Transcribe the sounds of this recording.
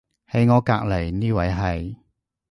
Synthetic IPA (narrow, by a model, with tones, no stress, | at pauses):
he˨˥jŋɔː˨˧kaː˧k̚le˨˩jniː˥wɐ˨˥jɦɐ˨j